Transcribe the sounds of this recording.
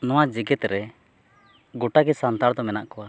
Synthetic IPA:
nɔwad͡ʒiɡɛt̪ɾɛ | ɡɔʈaɡɛsant̪aɽd̪ɔmɛnaʔkɔwa

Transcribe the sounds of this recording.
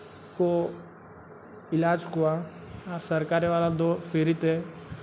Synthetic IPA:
ko | ɪlaːd͡ʒɦʊa | ɔːɾsəɾkaːɾeʋaːlad̪oːfʰeːɾɪt̪ɦɛ

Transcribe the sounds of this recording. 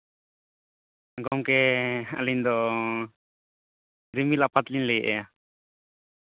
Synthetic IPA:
ɡɔmkɛa̰liɲd̪ɔ | ɾimilaʔpat̪linlɛjɛʔɛja

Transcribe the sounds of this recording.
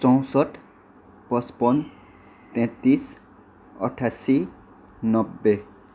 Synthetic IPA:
t͡sɔ̃w̃sɔʈʰ | pɔspɔn | t̪ɛ̃t̪is | ʌ̰ʈʰasi | nʌbːe

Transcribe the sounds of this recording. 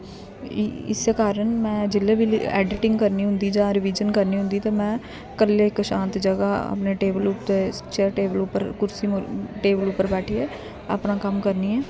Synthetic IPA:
ɪ̰seːkaːɾəɳmɛ̃ːd͡ʒɪlːeːbiɛ̰ːɖɪʈɪ̃ŋɡkəɾniːɦʊ̃nd̪iːd͡ʒãːɾɪʋiːd͡ʒənkəɾniːɦʊ̃nd̪iːt̪ãːmɛ̃ː | kəlːeːɪkʃãːnt̪d͡ʒəɡaːə̰pneːʈeːbəlʊt̪eːt͡ʃeʈeːbəlʊpːəɾkʊɾsiːmʈeːbəlʊpːəɾbɛːʈʰiːɛː | ə̰pnaːkəmkəɾniːɛː

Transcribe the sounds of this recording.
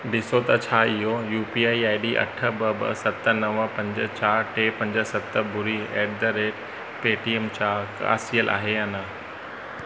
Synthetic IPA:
ɖɪsot̪ɐt͡ɕʰaːɪɦojuːpiːaːiaːɪɖiːʔɐ̰ʈʰə̆bɐbə̰sɐt̪ənɐʋəpɐ̃ɲd͡ʑət͡ɕaːɾʈeːpɐ̃ɲd͡ʑə̆sɐt̪ə̆bʊɾieːɖ̚d̪əɾeːʈ | peːʈiɛmt͡ɕaːka̰ːsiəlʔa̰ːɦeɦɐnaː

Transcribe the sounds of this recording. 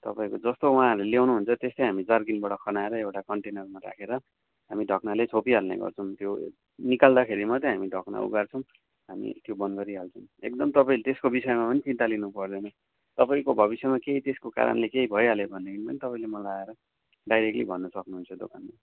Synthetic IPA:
t̪ʌpaĩkod͡zʌst̪ouɦãɦʌɾleljewnuɦunt͡sʰʌt̪est̪ʌjɦamid͡zʌrɡinbʌɽʌkʰʌnaeɾʌewʈakʌɳʈenʌrmaɾa̰kʰeɾʌ | ɦamiɖʱʌknalet͡sʰopiɦalnḛɡʌ̰rt͡sʰʌw̃t̪jo | nikald̪akʰeɾimʌt̪ʌɦamiɖʱʌkna̰ṵɡart͡sʰʌ̃w̃ | ɦamḭt̪jobʌnɡʌɾiɦalt͡sʰʌw̃ḛk̚d̪ʌmt̪ʌpaĩlet̪eskobisʌemapʌnit͡sint̪alinupʌrd̪ʌnʌ | t̪ʌpaĩkobʱʌβisjemakeit̪eskoka̰ɾʌ̰nlekeibʱʌjɦalebʱʌnːekʰinipʌnit̪ʌpaĩlemʌlaaeɾʌ | ɖajɾek̚ʈlḭbʱʌnːʌsʌknuɦunt͡sʰʌd̪o̰kʰanma

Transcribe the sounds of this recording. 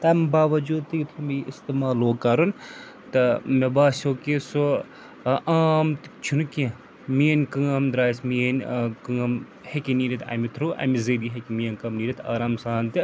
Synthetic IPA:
t̪ɐmbaːʋɐd͡ʒuːd̪̚t̪ɨkit̪ʰɾɐmiist̪imaːloːkɐɾun | t̪ɐmebaːsʲoːkeso | aːmt̪t͡ʃʰunukʲe | mienʲkɐŋɐmd̪ɾaːsmienʲkɨŋɐm | hekiniːɾit̪ɐ̰mit̪ʰɾuːʔa̰mizediɦekimijɐnʲkɐmniːɾit̪a̰ːɾaːmsaːnt̪i

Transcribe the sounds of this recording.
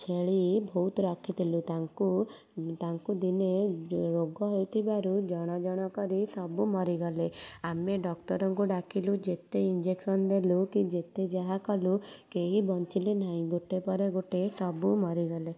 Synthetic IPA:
t͡ʃʰeɭibʱowt̪ɔɾɔkʰit̪ʰilut̪aŋku | t̪aŋkud̪ineɾoɡɔɦojt̪ʰibaɾud͡ʒɔɽ̃ɔd͡ʒɔɽ̃ɔkɔɾisɔbumɔɾiɡɔleameɖɔkʈɔɾɔŋkuɖakʰilud͡ʒet̪eind͡ʒeksɔnd̪elukid͡ʒet̪ed͡ʒaɦakɔlukeɦibɔnt͡ʃilenaĩɡoʈepɔɾeɡoʈesɔbumɔɾiɡɔle

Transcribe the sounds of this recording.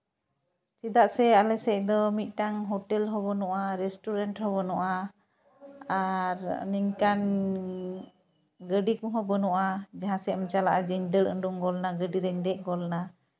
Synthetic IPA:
sid̪aʔsɛalɛsɛc̚ˀd̪ɔmit̪̚ˀʈaŋɦoʈɛlɦɔbɔnɔʔaɾɛsʈuɾaɳʈhɔβɔnɔʔa | aɾniɲkan | ɡəɖikɔ̃ɦɔbɔnɔʔad͡ʒaɦãsɛɔmt͡ʃalaʔad͡ʒəɲd̪əɽə̰ɳɖuŋɡɔlnaɡəɖiɾɛɲd̪ɛʔ̚ˀɡɔlna

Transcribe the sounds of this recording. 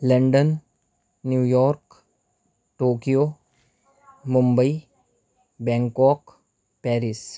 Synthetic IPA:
lə̃ɳɖənː | juːjɔːɾk | ʈoːkijo | mʊ̃mbəi | bɛ̃ːŋkɔːk | pɛːɾɪs

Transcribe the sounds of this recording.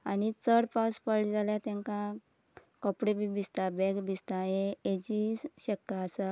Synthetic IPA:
anit͡səɽpaspəɭd͡zaljat̪ɛ̃ŋkã | kɔpɽebibist̪abɛɡbist̪aẽed͡ʑiɕəkːaːsa

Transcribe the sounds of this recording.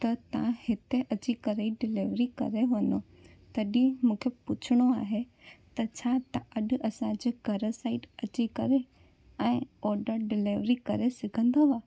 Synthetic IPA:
t̪ɐt̪ɐʋ̤ãhɪt̪eʔɐt͡ɕikɐɾəiɖɪleːʋɾikɐ̰ɾeʋɐno | t̪ɐɗĩmũːkʰepʊt͡ɕʰɪɽ̃oa̰ːɦe | t̪ɐt͡ɕʰaːt̪ɐɐɗʊ̆ʔɐsãd͡ʑeːɡʱɐɾəsaːɪʈɐt͡ɕikɐɾe | ɛ̃ːɔːɾɖəɾɖɪleːʋɾikɐɾesɪɡʱə̃nd̪oaː

